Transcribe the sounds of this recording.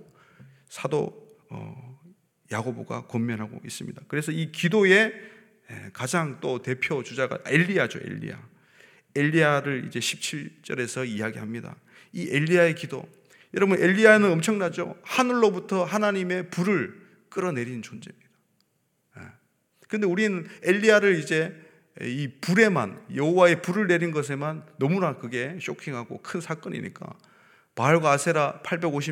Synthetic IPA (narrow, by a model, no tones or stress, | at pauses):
sʰado̰ | ʌ̰ | jaɡoboɡa̰komːjʌnɦaɡo̰is͈ɯmɲḭdakɯɾe̞sʰʌikidoe̞ | ḛkad͡ʑaŋt͈ote̞pʰjot͡ɕud͡ʑaɡa̰e̞ʎːiad͡ʑo̰ʔe̞̰ʎːḭa̰ | e̞ʎːiaɾɯɭḭd͡ʑe̞ɕʰip̚t͡ɕʰiɭt͡ɕ͈ʌɾe̞sʰʌijaɡiɦamɲida̰ | iʔe̞ʎːiae̞kido̰ | jʌɾʌbɯne̞ʎːianɯnʌmt͡ɕʰʌŋnad͡ʑo̰hanɯɭːobutʰʌɦanaɲime̞puɾɯɭ | k͈ɯɾʌne̞ɾinnt͡ɕond͡ʑe̞mɲid̥a | jḛ | kɯnde̞uɾinɯne̞ʎːiaɾɯɾid͡ʑe̞ | ipuɾe̞ma̰njʌhowae̞puɾɯɭne̞ɾinɡʌs̬ʰe̞manːʌmunakɯɡe̞ɕ͈okʰiŋɦaɡo̰kʰɯnsʰak͈ʌɲḭɲḭk͈a̰ | maɭɡaasʰe̞ɾapʰaɭbe̞ɡoɕ̬ʰi